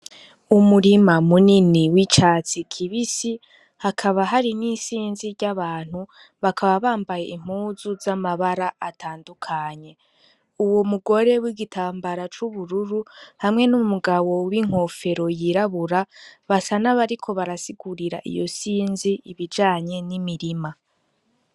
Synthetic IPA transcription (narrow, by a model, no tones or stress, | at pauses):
umuɾimamuniniwit͡ʃaːt͡sikʰiβisi | hakʰaβaɦaɾinisiːnziɾɟaβaːn̥hu | βakʰaβaβaːmbaje̞̰ʔim̥uzuzamaβaɾaatʰaːndukʰaɲe̞ | uwo̞muɡo̞ɾe̞wiɡitʰaːmbaɾat͡ʃuβuɾuɾuhamŋe̞numumuɡawo̞wiŋ̥ho̞fe̞ɾo̞jiɾaβuɾaβasanaβaɾikʰo̞βaɾasiɡuɾiɾa̰ʔḭjo̞̰siːnziiβid͡ʒaːɲe̞nimiɾima